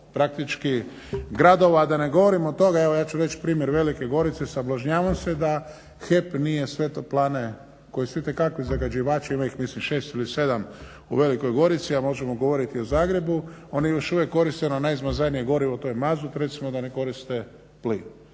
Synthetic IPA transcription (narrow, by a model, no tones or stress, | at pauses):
pɾak̚t̪it͡ʃki | ɡɾad̪o̞ʋaːd̪ane̞ɡo̞ʋoɾimot̪o̞ɡaeʋo̞jaːt͡ʃuɾe̞t͡ʃpɾiːmjeɾʋe̞likeɡo̞ɾit̪sesablˠaʒɲaːʋamsed̪a | xepnije̞sʋet̪oplˠaːne | ko̞jisit̪ekakʋizaɡad͡ʒiʋaːt͡ʃaimaixmislimʃe̞ːst̪ilise̞d̪am | ṵʋe̞liko̞jɡo̞ɾit̪siamo̞ʒemoɡo̞ʋo̞ɾit̪iozaːɡɾe̞buo̞njejo̞ʃuʋjekːo̞ɾist̪enonajizmazajnijeɡo̞ɾiʋot̪ojmazut̪ɾe̞t̪simod̪aneko̞ɾist̪e | plin